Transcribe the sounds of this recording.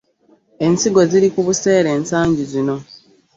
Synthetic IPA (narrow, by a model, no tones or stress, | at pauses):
e̞nsiɡo̞ziɾikuβuse̞ːɾe̞ːnsaːɲɟizino̞